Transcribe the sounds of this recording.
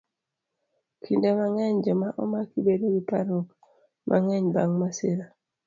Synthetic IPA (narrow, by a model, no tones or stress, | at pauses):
kʰindamaŋɛɲd͡ʒɔmaʔomakibeɾebipaɾok | mʔa̰ŋɛɲbaŋmaseɾa